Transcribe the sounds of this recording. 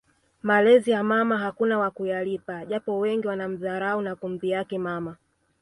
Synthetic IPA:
malɛzijamamaɦakunawakujalipaʄapɔwɛŋɡiwanam̩zaɾaunakumbijakɛmama

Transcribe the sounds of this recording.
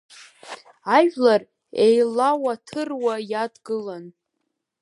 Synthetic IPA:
aʒᶣlar | ejlawatʰɨrwajadɡɨlan

